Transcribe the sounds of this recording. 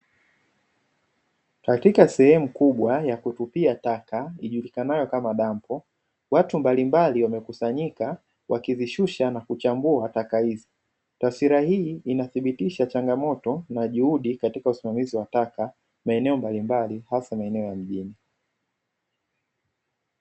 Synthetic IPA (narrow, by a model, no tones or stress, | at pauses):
katikasɛhɛmukuɓwajakutupiatakaiʄulikanajɔkamaɗampɔ | watumbalimbaliwamɛkusaɲika | wʔakiziʃuʃanakut͡ʃambuatakahizi | tasiɾahiːinaθiɓitiʃat͡ʃaŋɡamɔtɔnaʄuhuɗikatikausimamiziwataka | maɛnɛɔmbalimbalihasamaɛnɛɔjam̩ʄini